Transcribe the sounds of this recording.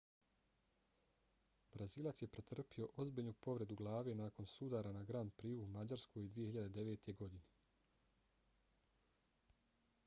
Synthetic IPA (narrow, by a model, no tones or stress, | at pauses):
bɾaziːlˠat̪sje̞pɾet̪r̩pio̞ʔo̞zbiʎnupo̞ʋɾe̞d̪uɡlˠaːʋe̞naːko̞nsud̪aːɾanaɡɾaːnd̪̚pɾiːuːmad͡ʑaɾskojid̪ʋije̞hiʎad̪e̞d̪e̞ʋeːt̪ʰe̞ɡo̞d̪ine̞